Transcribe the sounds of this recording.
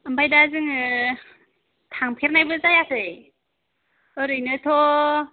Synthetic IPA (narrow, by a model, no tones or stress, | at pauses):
ambajdazɯŋɯ | tʰaŋpʰeɾnajbɯzajakʰɯj | ɯɾɯjnɯtʰɔ